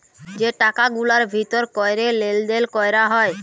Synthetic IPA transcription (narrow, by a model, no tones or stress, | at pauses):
d͡ʑeʈakaɡulaɾbʱit̪oɾkɔeɾeleld̪elkɔejɾaɦɔe